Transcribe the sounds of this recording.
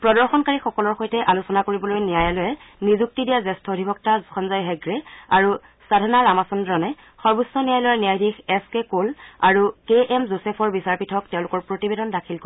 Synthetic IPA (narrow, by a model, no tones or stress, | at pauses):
pɹɔdɔɹxɔnkaɹixɔkɔlɔɹxojtɛʔalusɔnakoɹibɔlojnijajalɔjɛnizuk̚tidijazɛstʰɔodʱibɔk̚taxɔnzajɦɛɡɹɛa̰ɹu | sadʱɔnaɹamasɔndɹɔnɛ | xɔɹbusːɔnijajlɔjɛnijajdʱixɛskekola̰ɹukeʔɛmzosɛpʰɔɹbisaɹpitʰɔk̚tɛʊ̃lʊkɔɹpɹotibedɔndakʰilk